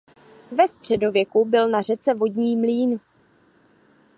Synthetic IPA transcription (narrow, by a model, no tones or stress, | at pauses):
vɛst̪r̝̥ɛdo̞vjɛkubɪlnar̝ɛt͡sɛvo̞dɲiːmliːn